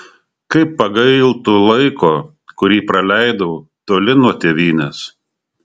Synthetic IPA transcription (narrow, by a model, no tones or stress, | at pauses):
kɐɪpːɐɡɐɪlˠt̪uːlˠɐɪkoː | kʊɾʲiːpɾɐlʲæɪd̪ɐt̪oːlʲɪnuɔt̪ʲeːʋʲiːnʲɛs